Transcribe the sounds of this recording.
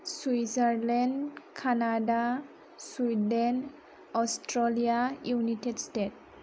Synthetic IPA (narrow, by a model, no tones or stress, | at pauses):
swisaɾlɛndkʰanada | swiden | ɔstɾɔlijajunitedstet̚